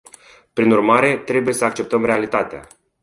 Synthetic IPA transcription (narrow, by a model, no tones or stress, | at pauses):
pɾinurmaɾe̞t̪ɾe̞buje̞səak̚t͡ʃe̞p̚t̪əmɾe̞alit̪at̪ea̰